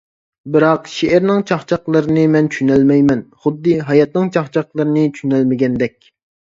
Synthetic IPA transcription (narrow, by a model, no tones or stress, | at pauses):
bɨɾɑqʃeɪɾnɪŋt͡ʃʰɑχt͡ʃʰɑqlˠɨɾɨnɨmɛnt͡ʃʰʃynɛlmɛjmɛnχʊd̪ːɨɦɑjɑt̪nɨŋt͡ʃʰɑχt͡ʃʰɑqlˠɨɾɨnɨt͡ʃʰʃynɛlmɪɡʲɛnd̪ɛk̚ʲ